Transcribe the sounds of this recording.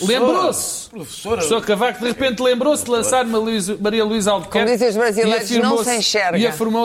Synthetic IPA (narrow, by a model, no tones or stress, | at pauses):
lˠẽbɾos | pɾufsoɾsokɐvak̚d̪ɨʁɨpẽnt̪lˠẽmbɾosd̪lˠɐ̃saɾmɐizmɐɾiɐlˠwizalˠðukɛd̪izẽuʒβɾɐzilˠiɐɾfiɾm̃õsɐ̃j̃ʃɛɾiɐfiɾmo